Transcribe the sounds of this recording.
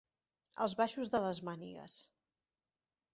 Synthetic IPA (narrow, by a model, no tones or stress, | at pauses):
ə̰lˠzβaʃuzðələzmanḭɣə̰s